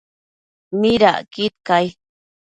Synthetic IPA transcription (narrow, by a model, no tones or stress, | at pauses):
miɾa̰ʔkɪt̪̚kaj